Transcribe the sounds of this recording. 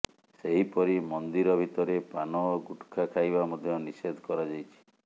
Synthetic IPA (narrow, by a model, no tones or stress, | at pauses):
seɦipɔɾimɔnd̪iɾɔbʱit̪ɔɾepanɔɡuʈkʰakʰajbamɔd̪ʱjɔnised̪ʱkɔɾad͡ʒajt͡ʃʰi̥